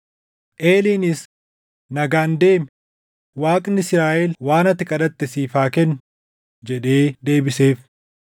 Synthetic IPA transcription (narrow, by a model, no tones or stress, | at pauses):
ʔe̞ːliːnɪs | nɐɡaːnd̪e̞ːm | waːkʼnɪsɾaːʔɛlwaːnɐt̪ːɪkʼɐᶑɐt̪ːɪsiːfaːkɛnː | d͡ʒɛᶑe̞ːd̪e̞ːbɪse̞ːf